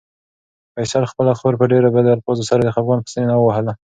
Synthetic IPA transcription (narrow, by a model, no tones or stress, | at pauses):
pajsɑlxpəlaxoɾpəɖeɾabad̪alpozosaɾad̪əxafɡɑnpə̥st̪ənenawəwahəla